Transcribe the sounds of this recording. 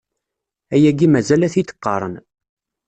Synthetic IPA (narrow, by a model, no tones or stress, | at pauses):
æjæɡimæzælæθit̪ə̥qːɑ̰ɾˤə̰n